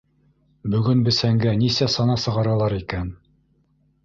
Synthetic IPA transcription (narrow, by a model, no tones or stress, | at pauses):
bɵ̆ɡɵnbɘ̆sæŋɡænisæsɑnɑsɤ̆ʁɑɾɑlˠɑɾikæn